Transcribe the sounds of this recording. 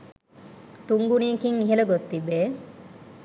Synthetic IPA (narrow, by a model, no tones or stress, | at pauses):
t̪uŋɡuniːkiŋːiɦelɐɡost̪ibeː